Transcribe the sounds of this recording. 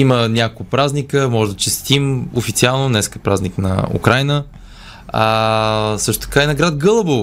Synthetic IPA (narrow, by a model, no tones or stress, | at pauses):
imənʲakokpɾaznikəmɔʒɛd̪ɐt͡ʃɛst̪imofit̪sialˠnonɛskəpɾaznʲiknɐ̰ṵkɾajnə | a | sɤʃt̪ʊ̥t̪ə̥kainɐɡɾat̪ɡɤlˠəbo